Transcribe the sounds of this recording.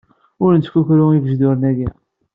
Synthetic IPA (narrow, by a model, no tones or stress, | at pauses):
ʊɾnt͡s̪ːkuçɾʊivəʒd̪ʊɾənæɡi